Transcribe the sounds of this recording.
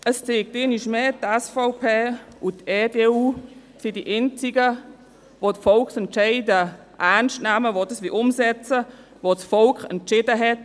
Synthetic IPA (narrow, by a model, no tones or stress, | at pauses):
əst͡seːk̚tɪniʃmeːtɛsfaʊpʰeːʔuteːdeːuː | sidiʔɛnt͡siɡə | votfɔlkχsɛntt͡ʃɛɪdə | ʔæʁnʃtnɛməvodəsʋiʔʊmsɛt͡sə | vot͡sfɔlkχɛ̰ntt͡ʃɪdəɦɛt